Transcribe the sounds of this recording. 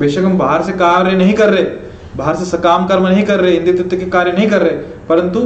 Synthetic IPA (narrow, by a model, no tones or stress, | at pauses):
beːʃɐkɐmbaɦəɾsekaːɾjənɐɦĩkɐɾːɐe | baɦəɾsesɐkaːmkɐɾmnɐɦĩkɐɾːɐɦeɦɪ̃nd̪it̪ɪt̪ːkːekaːɾjənɐɦĩkɐɾːɐɦe | pɐɾə̃nt̪u